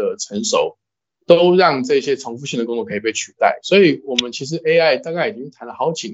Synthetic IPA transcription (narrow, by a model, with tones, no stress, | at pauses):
ə˨ʈ͡ʂʰə˧˥nʂo˨˩ʊ | t̪o˥ʊɻɑ˥˧ŋʈ͡ʂɤ˥˩ɕjɛ˥ʈ͡ʂʰɑ˧˥ŋfu˥˧ɕi˥˩d̪ə˩kʊ˥ŋt͡sɔ˥˨˩kʰp̬e˥˩ɪt͡ɕʰy˨˩t̪a̰˥˩ɪswɔ˧˥i˨˩wɔ˨˩mə˨˦nt͡ɕʰi˧˥ʂ̬ɻ̩˧˥ʔe˥ɪa˥˩ɪt̪ɑ˥˧ŋka˥˩i˨˩t͡ɕi˥ŋ˥˩t̪ʰa˧˥nlə˨˩ɑ˧˥ʊt͡ɕi˨˥n